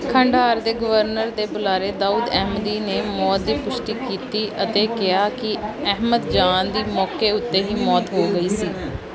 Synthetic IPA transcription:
kʰə̃ɳɖaːɾd̪eːɡəʋəɾnəɾd̪eːbʊlaːɾeːd̪aːuːd̪ɛːɦməd̪iːneːmɔːt̪̚d̪iːpʊʃʈ̪iːkiːt̪iːʔət̪eːkɪjaːkɪɛɦməd̪d͡ʒaːnd̪iːmɔːkeːʊt̪ːeːɦiːmɔːt̪ɦoːɡəiːsiː

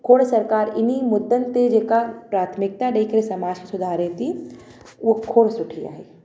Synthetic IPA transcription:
kʰoːɽsɐɾkaːɾɪnimʊd̪ːənt̪ed͡ʒekapɾaːt̪ʰmɪk̚t̪aɖeikəɾesɐmaːd͡ʒkisʊd̪ʱaːɾet̪i | okʰoːɽsʊʈʰija̰ɦeː

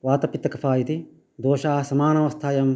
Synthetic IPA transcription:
ʋaːt̪ɐpit̪ːɐkɐfʰaːjit̪i | d̪oːʃaːsɐmaːnɐʋɐst̪ʰaːjɐm

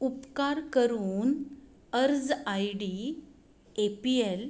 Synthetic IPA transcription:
upkaɾkəɾuːn | əɾd͡zajɽi | epiel

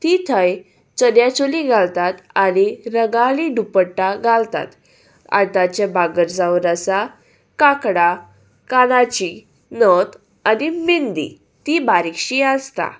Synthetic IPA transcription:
t̪it̪ʰəj | t͡sənjat͡ɕoliɡʱalt̪at̪añiɾəɡaliɖupəʈːaɡʱalt̪a̰t̪ | a̰t̪at͡ɕabaɡəɾd͡zawɾasa | kakɽa | kalat͡ɕi | nət̪ | animind̪ḭ | t̪ibaɾikɕiast̪a̰

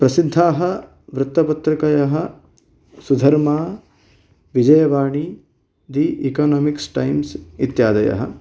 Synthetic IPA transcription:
pɾɐsid̪ʱːaːɦɐ | ʋɾʊt̪ːɐpɐt̪ɾɐkɐjɐɦɐ | sud̪ʱɐɾmaː | ʋid͡ʒɐjɐʋaːɳi | d̪iʔikaːnoːmiksʈajmsit̪jaːd̪ɐjɐ̰ɦɐ̰

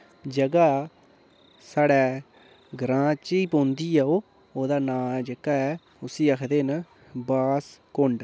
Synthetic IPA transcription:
d͡ʒəɡaː | saːɽɛː | ɡɾãːt͡ʃiːpõːnd̪iːɛːoː | oːd̪aːnãːd͡ʒəkaːɛː | ʊsĩːəkʰd̪eːnə | baːskʊɳɖ

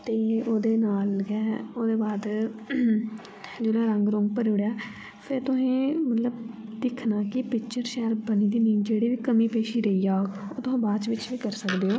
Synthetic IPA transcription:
t̪eːoːd̪eːnaːlɡɛːoːd̪eːbaːd̪ | d͡ʒeːɽaːɾəŋɡɾʊ̃ŋɡ̚pəɾoːɽjaː | pʰɪɾt̪ʊsẽːmət̪ləbd̪ɪkʰnaːkɪpɪkt͡ʃəɾʃɛːlbəniːd̪iːnĩːd͡ʒeːɽiːʋiːkəmĩːpeːʃiːɾəiːaːko̰ːt̪ʊɦãːbaːt͡ʃʋɪt͡ʃʋiːkəɾsəkd̪eːoː

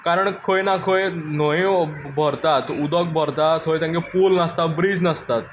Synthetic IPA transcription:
kaɾəɳkʰojnakʰojnoibʱəɾt̪at̪ud̪ək̚bʱəɾt̪at̪ɦojt̪jãŋkepulnəst̪abɾiːd͡znəst̪at̪

